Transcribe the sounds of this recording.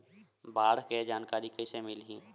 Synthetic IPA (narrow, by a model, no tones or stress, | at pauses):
baːɽ̤ked͡ʒaːnkaːɾikəsemɪlɦĩː